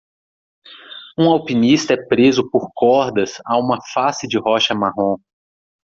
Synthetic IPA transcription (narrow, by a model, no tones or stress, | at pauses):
ũawpinist̪ɐɛpɾezʊpoɾkɔɾd̪ɐsaũmɐfasɪd͡ʒɪɦɔʃɐmaɦõ